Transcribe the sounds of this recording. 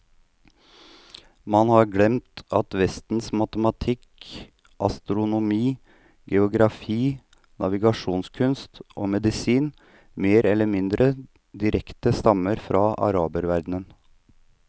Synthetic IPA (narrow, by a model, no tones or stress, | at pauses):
mɑnhɑɾɡlɛmt̪ɑt̪ʋɛst̪n̩smɑt̪əmɑt̪ʰɪk | ʔɑ̰st̪ɾʊnʊmiː | ɡɛʊɡɾɑfiː | nʔɑʋɪɡɑʂuːnskʰʉnst̪ʔo̰ːmɛd̪ɪsiːn | meːɾɛlːəɾmɪnd̪ɾʔə | d̪ɪɾɛkt̪əst̪ɑməɾfɾɑːʔɑ̰ɾɑːbəɾʋæɾd̪n̩ən